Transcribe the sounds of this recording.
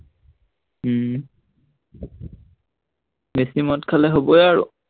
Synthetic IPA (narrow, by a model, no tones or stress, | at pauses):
mesimɔtkʰalɛɦobɔjaɹʊ̰